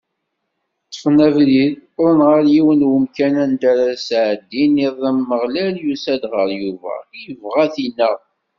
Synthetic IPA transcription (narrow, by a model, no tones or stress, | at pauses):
t͡sːə̥fnævliðɾənʁəɾjiwənwəmkænænd̪æɾasʕəd̪ːiniðˤæmːəʁlæljusæd̪ʁəɾjuvæ̰jəvʁæθinæ